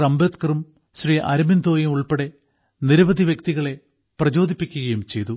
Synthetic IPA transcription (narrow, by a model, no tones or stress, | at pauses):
rɐmbet̪kɐrum | ɕriʔɐ̰ɾɐmind̪o̞ːjɐmuɭpeɽe̞ | niɾɐʋɐd̪ʱiʋjekt̪iɣɐɭe̞ | prɐd͡ʑo̞ːd̪ʱipːikʲːuɣɐjumt͡ɕe̞jt̪u